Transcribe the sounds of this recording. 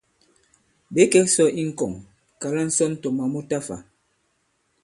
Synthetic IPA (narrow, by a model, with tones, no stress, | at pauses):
ɓe˨˦kɛ˦sɔ˦ʔi˦ŋ̩˦kɔ˨ŋ | ka˨la˦n̩˦sɔ˦n̩˦tɔ˨ma˨mu˦ta˦fa̰˨